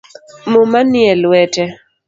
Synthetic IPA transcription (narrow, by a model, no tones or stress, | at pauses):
momanjɛlwɛtɛ